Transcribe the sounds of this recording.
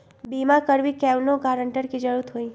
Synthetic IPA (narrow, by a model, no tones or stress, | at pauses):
bimãkəɾʋikɛʋlokaɾəɳʈəɾkid͡ʒəɾut̪ʰɦoi